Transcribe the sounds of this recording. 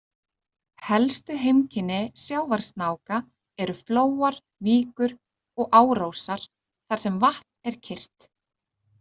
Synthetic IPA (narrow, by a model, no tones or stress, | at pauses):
hɛlst̪ʏɦejmcʰɪnːɪsjaːwvaɾ̥st̪naːwka | ɛɾʏfloːwaɾ | viːkʏɾ | ɔɣʔaːwɾowsaɾ̥ | θaɾ̥sɛmvaht̪nn̥ɛɾ̥cʰɪr̥t̪